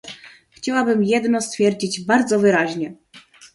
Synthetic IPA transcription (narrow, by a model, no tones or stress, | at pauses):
xt͡ɕawabɘmjɛd̪nɔst̪fʲjɛɾd͡ʑid͡ʑbaɾd̪zɔvɘɾaʑɲɛ